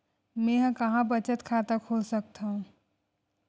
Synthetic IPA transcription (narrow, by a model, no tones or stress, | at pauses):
mẽɦə̃kɐɦãbət͡ʃət̪kʰat̪əkʰolsək̚t̪aɦũ